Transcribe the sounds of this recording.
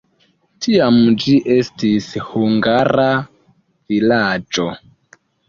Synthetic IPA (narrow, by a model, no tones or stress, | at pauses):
tʰiamd͡ʒiʔe̞stishuŋɡaɾa | vilad͡ʒo̞